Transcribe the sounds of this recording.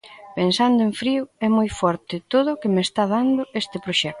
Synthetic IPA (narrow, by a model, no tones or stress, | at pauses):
pensand̪ʊeɱfɾiuɛmojfɔɾt̪ɪt̪oðʊkemest̪að̞and̪ʊest̪ɪpɾoʃɛk̪̚